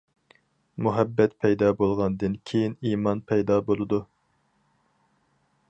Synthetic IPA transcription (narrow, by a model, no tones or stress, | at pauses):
muɦɛbːɛt̪pʰɛjd̪ɑːbolˠʁɑnd̪ɨnkʲʰejinimɑnpʰɛjd̪ɑːbolˠɨd̪u